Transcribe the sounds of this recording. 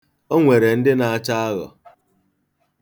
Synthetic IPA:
o˦ŋʷe˨ɾe˨n̩˦dɪ˦na˨a˦t͡ʃa˦a˦ɣɔ̰˨

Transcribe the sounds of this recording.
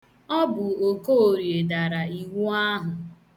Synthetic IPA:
ɔ˦bʊ˨o˨ko˦o˨ɾje˨da˨ɾa˨i˨wu˦a˦ɦʊ˨

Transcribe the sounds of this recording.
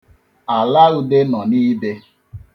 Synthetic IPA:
a˨la˦ɾu˨de˦nɔ˨niː˦be˦

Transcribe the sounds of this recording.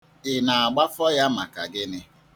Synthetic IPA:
ɪ˨na˨a˨ɡ͡ba˦fɔ˦ja˦ma̰˨ka˨ɡɪ˦nɪ˦

